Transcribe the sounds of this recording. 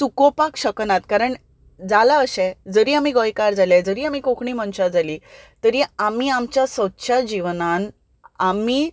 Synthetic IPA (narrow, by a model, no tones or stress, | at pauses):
sukopakɕəknat̪kaɾəɳ | d͡zalaəɕɛ̃d͡zəɾiːamiɡojkaɾd͡zalɛ̃d͡zəɾiːamikokɳiːməɳɕad͡zaliːt̪əɾiamiːamt͡ɕjasʋətːɕʰad͡ʑiʋnan | amiː